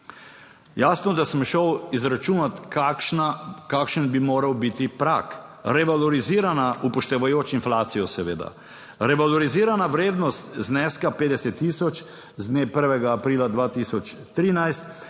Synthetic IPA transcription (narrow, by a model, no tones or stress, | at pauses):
jaːsnɔd̪asəmʃəwizɾat͡ʃuːnat̪kakʃnakaːkʃənbimoːɾawbit̪ipɾa̰k | ɾɛʋalɔɾiziːɾanaupɔʃt̪ɛʋajoːt͡ʃinflaːt̪sijɔsɛʋḛːd̪a̰ | ɾɛʋalɔɾiziːɾanaʋɾeːd̪nɔst̪znɛskapeːd̪ɛsɛt̪ːiːsɔt͡ʃ | zd̪neːpəɾʋɛɡaːpɾiːlad̪ʋaːt̪iːsɔt͡ʃ | t̪ɾiːnajst̪